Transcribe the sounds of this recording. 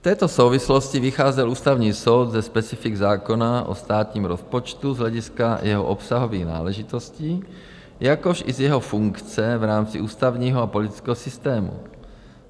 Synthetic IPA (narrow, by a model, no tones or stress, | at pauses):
ft̪ɛːt̪o̞so̞wvɪslo̞scɪvɪxaːzɛluːst̪avɲiːso̞wd̪zɛspɛt͡sɪfɪɡzaːko̞naʔo̰st̪aːt̪ɲiːmɾospot͡ʃt̪uzɦlɛɟɪskajʔɛɦo̰ʔopsaɦo̞viːɣna̰ːlɛʒɪt̪o̞sciː | jako̞ʃʔɪzjɛɦo̞fuŋkt͡sɛvɾaːmt͡sɪʔuːst̪avɲiːɦoapolɪt̪ɪ̥t͡skɛːɦosɪst̪ɛːmṵ